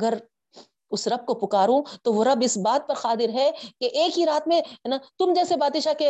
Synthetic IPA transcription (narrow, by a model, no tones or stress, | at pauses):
ɐɡəɾ | ʊsɾɐb̚kopʊkaːɾũt̪oʋoɾɐbɪsbaːt̪̚pɐɾxaːt̪ɪɾɦɛkeʔeːkɦiɾaːt̪mẽɦɛnat̪ʊmd͡ʒɛːsebaːd̪ɪʃake